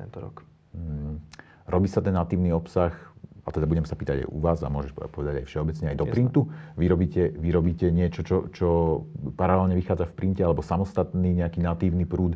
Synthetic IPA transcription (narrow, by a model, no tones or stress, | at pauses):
t̪ɛ̰nt̪ɔɾɔ̰k | ɾɔbiːsat̪ɛnːat̪iːʊniɔpsaxat̪ɛd̪abuɟɛmsapiːt̪aɟa̰jʔuʋaːza̰mʊɔʒɛʃpɔʋɛd̪aɟajfʃɛɔbɛt͡sɲɛajd̪ɔpɾint̪uʋiɾɔbiːcɛʋiɾɔbiːcɛɲɪɛt͡ʃɔt͡ʃɔt͡ʃɔpaɾalɛlɲɛʋixaːd͡zafpɾincɛalɛbɔsamɔst̪at̪niːɲɛakiːnat̪iːʊnipɾuːt̪